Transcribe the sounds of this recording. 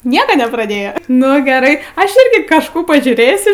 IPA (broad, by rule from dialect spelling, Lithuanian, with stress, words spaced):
ˈnʲiɛkɐ nʲɛprɐˈdʲeːjɛ ˈnʊ ɡʲɛˈrɐɪ ˈɐʃ ˈɪrʲɡʲɪ kɐʃˈkuː pɐʒʲuːˈrʲeːsʲʊ